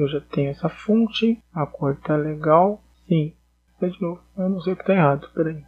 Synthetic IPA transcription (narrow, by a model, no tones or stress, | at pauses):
ewʒat̪ẽɲʊɛsɐfõt͡ʃɪakojt̪aleɡaw | sĩ | sed͡ʒinowvʊewnɐ̃w̃sejʊkɪ̥t̪ẽj̃eɦad̪ʊpɛɾai